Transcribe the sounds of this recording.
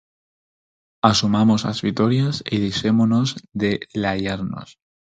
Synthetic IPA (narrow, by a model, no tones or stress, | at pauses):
asumamo̞sa̰zβit̪oɾjasiðisemono̞zðelajaɾno̞̰s